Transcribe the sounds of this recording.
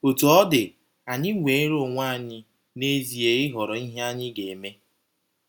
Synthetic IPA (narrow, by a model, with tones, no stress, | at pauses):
o˨tu˨ɔ˦dɪ˨ | a˨ɲɪ˦ŋʷe˨e˦ɾo˦˨ŋʷa˦˨ɲɪ˦ | ne˦zi˨e˨ɪ˦ɦɔ˨ɾɔ˨i˦ɦe˦a˦ɲɪ˦ɡe˨e˨me˦